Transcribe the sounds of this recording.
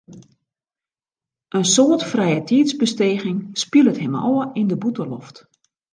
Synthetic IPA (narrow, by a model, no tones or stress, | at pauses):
ʔənsoətfrɛjətʰiːtzbəsteːɣɪŋspilətɦɛmɔ̰ːəindəbutəlɔft